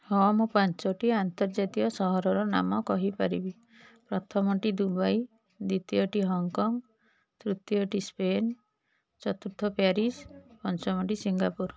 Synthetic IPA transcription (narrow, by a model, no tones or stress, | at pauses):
hɔmɔpant͡ʃɔʈiant̪ɔɾd͡ʒat̪iɔsɔɦɔɾɔɾɔna̰mɔkɔɦipaɾibi | pɾɔt̪ʰɔmɔʈid̪ubaj | d̪it̪iɔʈiɦɔŋkɔŋ | t̪ɾut̪jɔʈispen | t͡ʃɔt̪uɾt̪ʰɔpaɾispɔnt͡ʃɔmɔʈisiŋɡapuɾ